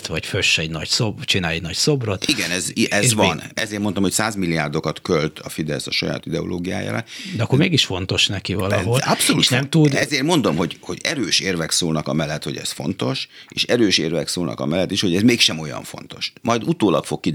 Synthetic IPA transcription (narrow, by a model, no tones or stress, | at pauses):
t̪ʋɒcføʃɛɟnɒɟsobt͡ʃinaːlɛɟnɒɟso̞brot̪iɡɛnɛzʔɛzvɒnɛzeːrmo̞nt̪o̞mhocsaːzmilːiaːrd̪o̞kɒt̪kølt̪ʰɒfid̪ɛsɒʃɒja̰ːt̪id̪ɛo̰lʔo̰ːɡija̰ːja̰ːɾa̰d̪ɛɒkːormeːɡiʃfo̞nt̪o̞ʃnɛkivɒlɒɦolɒpsoluʃt̪ɛmt̪ud̪ɛzeːrmo̞nd̪o̞mɦo̞ɟho̞ɟɛɾøːʃeːrvɛksoːlnɒkɒmɛlːɛt̪ho̞̰ɟɛ̰sfo̞nt̪o̞ʃḛːʃɛɾøːʃeːrvɛksoːlnʔɒ̰kɒ̰mɛlːɛt̪ːiʃho̞ɟɛzmeːkʃɛmo̞jɒ̰ɱfo̞̰nt̪oʃmʔɒjd̪ut̪oːlɒkfo̞kːi